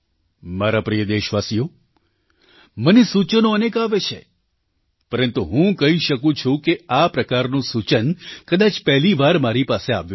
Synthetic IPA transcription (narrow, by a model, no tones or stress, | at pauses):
maɾapɾijəd̪eʃʋasijo | mənesut͡ʃənoənekaʋet͡ʃʰḛ | pəɾənt̪uɦũkəɦiʃəkũt͡ʃʰũkeapɾəkaɾnũsut͡ʃənkəd̪at͡ʃpɛɦliʋaɾmaɾipasea̰ʋjũ